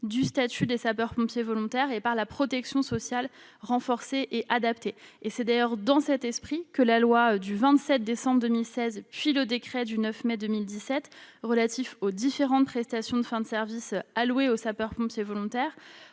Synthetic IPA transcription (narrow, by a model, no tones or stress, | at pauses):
d̪yst̪at̪yd̪esapœʁpɔ̃pjevɔlɔ̃t̪ɛʁepaʁlapχɔt̪ɛksjɔ̃sɔsjalʁɑ̃fɔʁseʔeʔad̪apt̪eesɛd̪ajœʁd̪ɑ̃sɛt̪ɛspχikəlalwad̪yvɛ̃t̪sɛt̪̚d̪esɑ̃bʁd̪əmilsɛzpɥiləd̪ekχɛd̪ynœfmɛd̪əmild̪isɛt̪ʁəlat̪ifod̪ifeʁɑ̃t̪̚pχɛst̪asjɔ̃d̪əfɛ̃d̪əsɛʁvisalweosapœʁpɔ̃pjevɔlɔ̃t̪ɛːʁ